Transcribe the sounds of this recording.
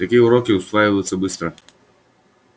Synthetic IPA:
ɐkʲiʊɾɔkʲɪwsʋajɪlˠɪsʲːɐbɪst̪ɾɐ

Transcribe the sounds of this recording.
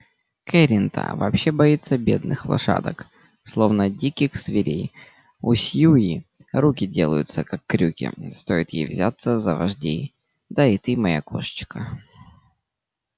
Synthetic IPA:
kɛɾʲɪnt̪ə̰vɐ̰ːpɕːe̞bɐit̪sːəbʲe̞d̪nɨxlˠɐ̰ʂa̰d̪ək | slˠo̞vnədʲikʲɪxsvʲɪɾʲej | usʲjuiɾukʲɪdʲe̞lˠəjʊt̪səkakːɾʲukʲɪ̰st̪o̞ɪt̪jejvzʲat̪səzəvɐʐdʲḛj | d̪ait̪ɨmɐja̰ko̰ʂt͡ɕkə

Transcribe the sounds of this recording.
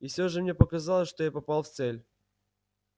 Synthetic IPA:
ifsʲoʐɨmnʲepəkɐzɑlˠəsʲʂt̪ojapɐpalˠft̪sɛlʲ

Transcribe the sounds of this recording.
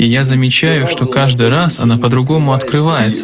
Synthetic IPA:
ijazəmʲɪt͡ɕæjʊʂt̪o̞kaʐd̪ɨɾasɐ̰napəd̪ɾʊɡo̞mʊɐt̪kɾɨvajɪt̪sə

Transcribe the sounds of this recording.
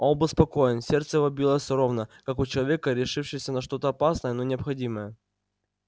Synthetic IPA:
onˠbɨspɐko̞jɪnsʲert̪səjɪvobʲilˠəsʲɾo̞vnəkakʊt͡ɕɪlˠɐvʲe̞kəɾʲɪʂɨfʂɪjəsʲənɐʂt̪o̞t̪əɐpasnəjənonʲɪɐpxɐdʲiməjə

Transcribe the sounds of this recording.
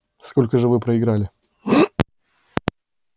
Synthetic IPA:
sko̞lʲkəʐɨvɨpɾəɪɡɾalʲɪ

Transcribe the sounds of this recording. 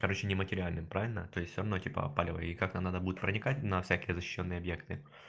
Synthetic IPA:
kɐɾo̞t͡ɕɪnʲɪmətʲɪɾʲɪalʲnɨmpɾavʲɪlʲnət̪oɪsʲtʲfsʲoɾɐvno̞tʲipə̰palʲɪvə̰jəikaknamnad̪əbudʲɪt̪pɾənʲɪkatʲnɐfsʲækʲɪjəzəɕːɪ̥ɕːo̞nːɨjəɐbjekt̪ɨ

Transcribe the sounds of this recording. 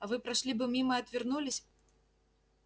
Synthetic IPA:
ɐvɨpɾaʂlʲibɨmʲimɐɐt̪ʲvʲirnulʲisʲ

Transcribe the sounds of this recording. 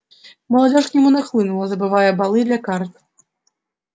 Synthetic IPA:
mɐlˠad͡zʲɔʂknʲɛmunaxlˠɨnulˠɐzɐbɨvajɛbalˠɨd̪lʲɐkart̪

